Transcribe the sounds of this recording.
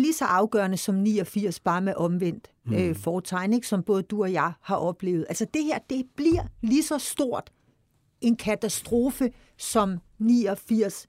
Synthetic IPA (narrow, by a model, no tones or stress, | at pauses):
lisɒ̽ʔɑ̈ʊɡ̥ɶɐnəsɒ̽mniːɒfiɐ̰sb̥ɑ̈ːmeʔɒ̽mʋen̰d̥ | øfɒːt͡sʰɑ̈ɪne̝ɡ̥sɒ̽mb̥ɔ̽ːð̞̩ˠd̥uɒ̽jɑ̈ɪhɑ̈ʔɒ̽b̥le̝̰ːʊð̩ˠælsɐd̥e̝heɐ̰d̥e̝b̥liɐ̰lisɒ̽sd̥o̝ɐ̰d̥ | e̝nkʰæt͡sʰæsd̥ʁo̝ːfə | sɒ̽m | niːɒfiɐ̰s